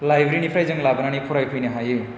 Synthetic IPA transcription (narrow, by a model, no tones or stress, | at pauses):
lajbɾinipʰɾajd͡zʌŋlabʌnanikʰuɾajpʰujneɦãji